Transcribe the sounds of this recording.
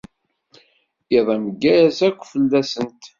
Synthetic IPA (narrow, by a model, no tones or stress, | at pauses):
iðˤɑməɡːæsækʷːfəlːæsənt̪